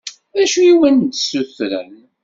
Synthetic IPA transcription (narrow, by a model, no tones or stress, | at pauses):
ðæʃujiwænd̪suθɾə̰m